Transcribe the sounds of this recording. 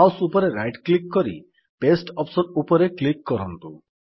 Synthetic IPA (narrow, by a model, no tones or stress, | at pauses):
awsupɔɾeɾajʈklikːɔɾḭ | pesʈɔpsɔɾupɔɾeklikːɔɾɔnt̪u